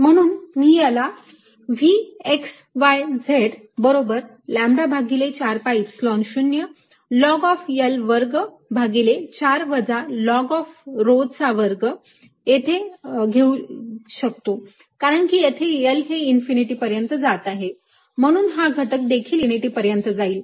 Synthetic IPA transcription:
m̤əɽ̃uːnmiːjala | ʋieks | ʋajd͡zʱeʈ | bəɾobəɾ | læ̃mbabʱaɡilet͡ɕaɾpaipslɔnɕunjə | lɔɡɔfjəlʋəɾɡ | bʱaɡilet͡ɕaɾʋəd͡zalɔɡɔfɾod͡zt͡saʋəɾɡ | jet̪ʰeɡʱeuɕək̚t̪o | kaɾəɳkijet̪ʰejəlɦeinfiniʈiːpəɾjənt̪əd͡zat̪aɦe | m̤əɽ̃uːnɦaɡʱəʈək̚d̪ekʰiːliniʈiːpəɾjənt̪əd͡zaiːl

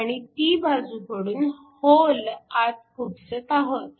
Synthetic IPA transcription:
aɽ̃it̪iːbʱad͡zupəɽuːn | holat̪̚kʰupsət̪aɦot̪

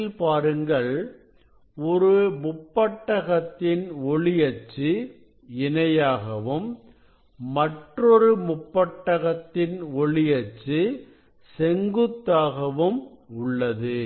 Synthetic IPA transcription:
lpaːɾɯŋɡɐɭ | ɔɾɯmʊpːɐʈːɐɣɐt̪ːɪnɔɭɪjɐt͡ʃːɯ | ɪnɐjaːɣɐʋɯmː | ɐʈrɔɾɯmʊpːɐʈːɐɣɐt̪ːɪnɔɭɪjɐt͡ʃːɯ | sɛŋɡɯt̪ːaːɣɐʋɯm | ʊɭːɐðɯ

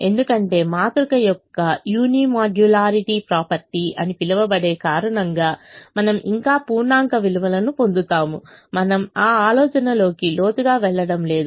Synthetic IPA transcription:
e̞nd̪ukɐɳʈe̞ːmaːt̪ɾukɐjɔkːɐjuːniːmaːɖulaːɾiʈiːpɾaːpɐɾʈiɐ̰nipilɐʋɐbɐɽe̞ːkaːɾɐɳɐŋɡaːmɐnɐmʔḭŋkaːpuːɾɳaːŋkɐʋiluʋɐlɐnupo̞nd̪ut̪aːmumɐnɐmaːaːlɔːt͡ʃɐnɐlo̞ːkilo̞ːt̪uɡaːʋɛɭːɐɽɐmle̞ːd̪u

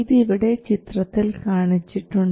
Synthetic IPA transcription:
ðiːʋiɽe̞t͡ɕit̪rɐt̪ːilkaːɳit͡ɕːiʈːuɳɖ

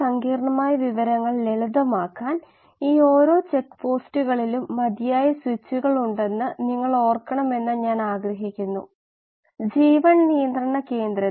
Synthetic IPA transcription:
sɐŋɡiːɾɐɳɐmaːjɐʋiʋɐɾɐŋːɐɭe̞ɭud̪ɐmaːkːaːn | iːo̞ːɾo̞ːt͡ɕe̞kːpo̞ːstuɣɐɭilumːɐd̪ijaːjɐswit͡ɕːuɣɐɭuɳɖe̞nːɨniŋːɐɭo̞ːrkːɐɳɐme̞nːɐɲaːnaːɡɾɐɦikʲːunːṵ | d͡ʑiːʋɐɳnijɐnd̪rɐɳɐke̞ːnd̪ɾɐ

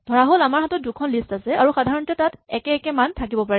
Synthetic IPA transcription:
d̥ʱɔɹaɦolamaɹhatɔt̚dukʰɔnlistasɛaɹuxadʱaɹɔntɛtatɛkɛɛkɛmantʰakibɔpaɹɛ

